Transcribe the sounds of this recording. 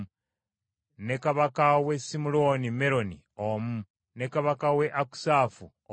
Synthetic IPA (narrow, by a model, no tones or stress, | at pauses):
ne̞kaβakawesimuloːnime̞ɾo̞nḭ | omu | ne̞kaβakawe̞ʔaku̥saːfu